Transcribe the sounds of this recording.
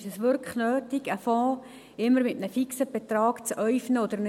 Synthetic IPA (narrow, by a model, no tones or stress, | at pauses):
ʃəsʋʏɾknøːtiɡəfɔ̃ː | ɪmːəɾmɪtnəfiksəb̥et̪rɑːkt͡sœʏfnəod̪əɾn